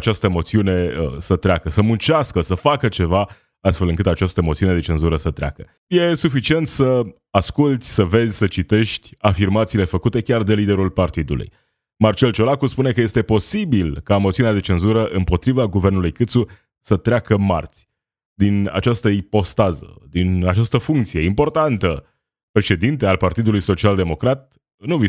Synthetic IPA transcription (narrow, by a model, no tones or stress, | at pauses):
at͡ʃast̪əmo̞t̪siune̞sət̪ɾeakəsəmunt͡ʃaskəsəfakət͡ʃeva | ast̪fe̞lɨŋk̬ɨt̪at͡ʃast̪əmo̞t̪siuned̪e̞t͡ʃe̞nzuɾəsət̪ɾea̰kə | je̞sufit͡ʃie̞nt̪sə | askult̪sʲsəve̞zʲsət͡ʃit̪e̞ʃt̪ʲafirmat̪siːle̞fəkut̪e̞kʲard̪e̞lid̪e̞ɾulpart̪id̪ṵlṵj | mart͡ʃe̞lt͡ʃo̞lakuspune̞kəje̞st̪e̞po̞sibilkamot̪siunad̪e̞t͡ʃe̞nzuɾəʔɨmpo̞t̪ɾivaɡuvernulujkɨt̪su | sət̪ɾeakəma̰rt̪sʲ | d̪ina̰t͡ʃast̪əipo̞st̪azə̰d̪inat͡ʃast̪əfuŋkt̪sije̞impo̞rt̪ant̪ə | pɾe̞ʃe̞d̪int̪e̞alpart̪id̪ulujso̞t͡ʃiald̪e̞mo̞kɾat̪̚ | nuvi